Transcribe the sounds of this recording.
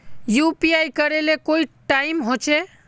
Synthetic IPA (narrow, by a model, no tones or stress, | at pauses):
jupiajkəɾelekoiʈaimɦot͡ʃʰɛ